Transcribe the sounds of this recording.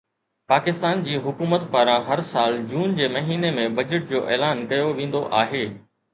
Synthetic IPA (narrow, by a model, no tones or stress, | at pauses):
paːkɪst̪aːnd͡ʑiːɦʊkuːmət̪paːɾãɦɐɾsaːld͡ʑuːnd͡ʑeːmɐɦiːnemẽbɐd͡ʑəʈ̚d͡ʑoːʔeːlaːnkɐjoʋẽːn̆d̪oʔaːɦeː